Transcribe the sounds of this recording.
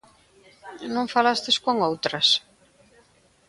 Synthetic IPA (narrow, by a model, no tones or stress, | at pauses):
nõŋfalast̪ɪskoŋowt̪ɾɐs